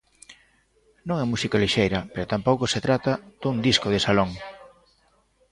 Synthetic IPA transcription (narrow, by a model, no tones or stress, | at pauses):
nõŋɛmusikaliʃejɾɐpeɾot̪ampowkoset̪ɾat̪ɐd̪̥und̪iskoð̞ɪsaloŋ